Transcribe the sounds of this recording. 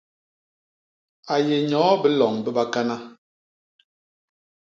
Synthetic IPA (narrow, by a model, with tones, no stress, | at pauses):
a˨je˨ɲɔː˨˦bə˦lɔ˨ŋbə˦ɓa˦ka˦na˦